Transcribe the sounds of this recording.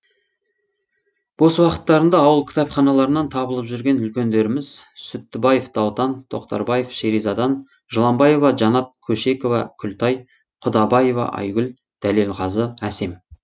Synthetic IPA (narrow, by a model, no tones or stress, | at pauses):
bo̞səwɑqə̥t̪ːɑɾənd̪ɑːwəlˠkʲʰɪ̥t̪ɑpχɑnɑlˠɑɾənɑnt̪ʰɑbəlˠəpʒʏɾɡʲe̞nʏlkʲe̞nd̪e̞ɾɪmɪzsʏt̪ːɪbɑjefd̪̥ɑwt̪ɑnt̪ʰo̞̰qt̪ɑ̰ɾbɑje̞fʃeɾijzɑd̪ɑn | ʒ̥əlˠɑmbɑje̞vɑʒɑnɑt̪̚kʲʰɵʃe̞ko̞vɑkʲʰʏlt̪ɑj | qʰʊd̪ɑbɑje̞vɑ̰ʔɑ̰jɡʲʏl | d̪̥ælelˠʁɑzəæse̞m